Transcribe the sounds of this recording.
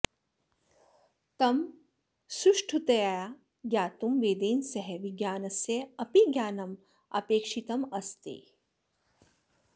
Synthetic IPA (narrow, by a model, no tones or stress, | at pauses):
t̪ɐm | suʃʈʰut̪ɐjaːja | ɡjaːt̪umʋeːd̪eːnsɐɦeʋiɡjaːnɐsjɐɐpiɡjaːnɐm | ɐ̰peːkʃit̪ɐmɐst̪ḭ